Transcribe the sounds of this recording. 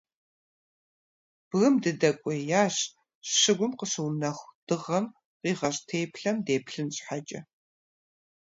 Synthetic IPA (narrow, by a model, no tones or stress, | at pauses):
b̥ɣɨmdɨdɐkʷʼɔjaːɕ | ɕɨɡʷʊmqəɕɨwnɐxʷd̥ɨʁɐm | qiːʁɐɕʼtʰeːpʰɬɐmdeːpɬɨnɕʼħat͡ʃʼɐ̰